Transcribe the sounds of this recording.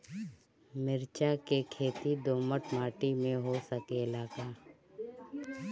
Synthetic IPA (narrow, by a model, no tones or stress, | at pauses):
mɪɾt͡ʃakekʰeːt̪id̪oːməʈmaːʈimẽɦosəkelaːɡaː